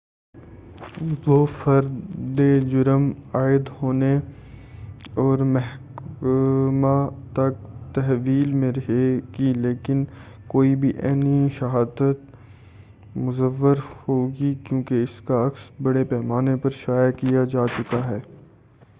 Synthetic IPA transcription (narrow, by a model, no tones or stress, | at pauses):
ʋoːfɐɾd̪ed͡ʒʊɾəmaːɪd̪hoːne | ɔːɾmɛɦk | mãt̪ɐk̚t̪ɛɦʋiːlmẽɾɐɦeɡileːkɪn | koːibʱiʔɛ̰ːniʃɐɦaːd̪ət̪ | mʊzəʋːəɾhoːɡikjõːkeɪskaɐksbɐɽepɛːmaːnepɐɾʃaːjakijad͡ʒaːt͡ʃʊkaɦɛː